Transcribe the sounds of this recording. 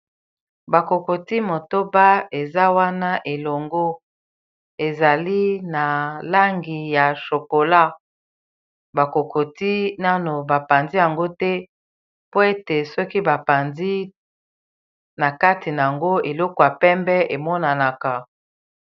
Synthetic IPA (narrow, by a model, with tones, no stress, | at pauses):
ba˨ko˨ko˨ti˦mo˨to˦ba˦e˨za˦wa˦na˦ʔe˨lo˨ŋɡo˦ | e˨za˨li˦na˨la˦ŋɡi˨ja˨ʃo˨ko˨la˦ | ba˨ko˨ko˨ti˦na˦no˨ba˨pa˨nzi˦ja˨ŋɡo˦tɛ˦ | po˦e˦te˨sɔ˦ki˦ba˨pa˨ndi˦ | na˨ka˦ti˨na˨a˨ŋɡo˦e˨lɔ˦ko˨ja˨pɛ˦mbɛ˦ʔe˨mɔ˦na˨na˨ka˨